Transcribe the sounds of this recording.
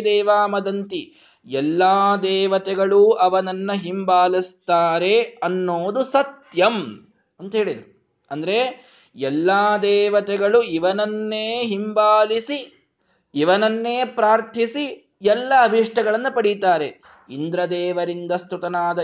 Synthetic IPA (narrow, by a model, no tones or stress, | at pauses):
d̪ɛːʋaːmɐd̪ɐnt̪i | ɛlːaːd̪ɛːʋɐt̪ɛɡɐɭuʔɐʋɐnɐnːɐɦimbaːlist̪aːɾe̞ɐnːoːd̪usɐt̪jɐm | ɐnt̪ɐɦe̞ːɭid̪ɐɾu | ɐnd̪ɐɾe̞ | ɛlːaːd̪ɛːʋɐt̪ɛɡɐɭuiʋɐnɐnːeːɦimbaːlisi | iʋɐnɐnːeːpɾaːɾt̪ʰisi | jɛlːɐːbʱiʂʈɐɡɐɭɐnːɐpɐɽit̪aːɾe | ind̪ɾɐd̪ɛːʋɐɾind̪ɐst̪ut̪ɐnaːd̪ɐ